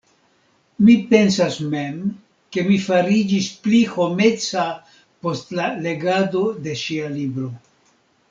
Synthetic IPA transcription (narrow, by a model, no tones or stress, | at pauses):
mipe̞nsasme̞m | ke̞mifaɾid͡ʒispliho̞me̞t͡sa | po̞stlale̞ɡado̞de̞ʃialibɾo̞